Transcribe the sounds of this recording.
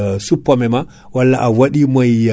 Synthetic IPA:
supːamɛma | walːaʔawaɗimaj

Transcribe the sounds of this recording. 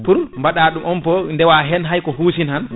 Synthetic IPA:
puɾmbaɗaːɗumʔɔnpɔndɛwaɦɛnɦajkɔɦuːsinhan

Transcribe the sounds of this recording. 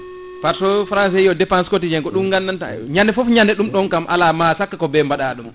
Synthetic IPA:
faɾsɔfɾans̬ɛjɔdɛpanskotid͡ʒɛŋkɔɗumŋɡanːana̰ɲandɛfɔfɲandɛɗumɗɔnkamʔa̰lamasakːakɔbɛmbaɗaɗum

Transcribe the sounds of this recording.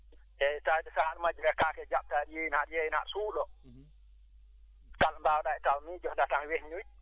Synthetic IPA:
ʔɛtadɛsaɗmad͡ʒɾɛkakɛd͡ʒap̚taɗijɛnaɗijɛjna̰ʔsuːɗɔ | kalmbawɗaɛtawmid͡ʒɔdataŋwehɲuj

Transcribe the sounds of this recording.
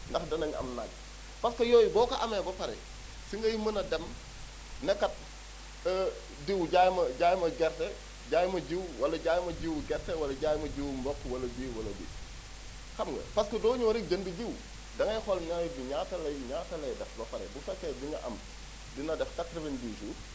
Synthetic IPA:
ndɐxdɐnɐŋɐ̰mnaɟ̚ | pɐskɐjɔjbɔːkɐʔɐmɛbɐfɐɾɛ̰ | siŋɡɐjimɐnɐdɛm | nɛkːɐt̚ː | diwɟajmɐɟaːjmɐɡɛɾtɛ | ɟaːjmɐɟiwwɐlɐɟaːjmɐɟiwɡɛɾtɛwɐlɐɟaːjmɐɟiwmbɔkːwɐlɐbiwwɐlɐbḭ | kɐmɡɐ̰pɐskɐdɔːɲuwɐɾik̚d͡ʒɐnbiɟiw | dɐŋɐjxɔlnɐjbiɲatɐlɐjɲaːtɐlɛdɛfbɐfɐɾɛ̰bufɐkːɛdiŋɡɐʔɐm | dinɐdɛftɐk̚dɐbɐɲbisuːt̚

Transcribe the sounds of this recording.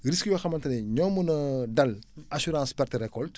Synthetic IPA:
ɾiskjɔxɐmɐntɐnɛɲɔːmənɐdɐlasyɾãːspɛrtəɾɛkɔlt

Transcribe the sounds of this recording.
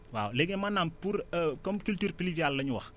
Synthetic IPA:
wa̰ːwleɡemanːampuɾkɔmkultuːɾpilivialːɐɲuwɐ̰x

